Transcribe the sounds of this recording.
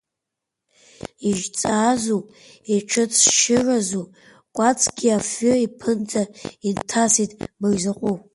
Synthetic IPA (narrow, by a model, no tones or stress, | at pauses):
iʒt͡sʼaːzu | iʈ͡ʂʰɨt͡sʰʼʃɪrazu | kʷʼat͡sʼʰɡʲiafoipʰɨnd͡zʼaintʰasitʼmɨrzaqʷʼu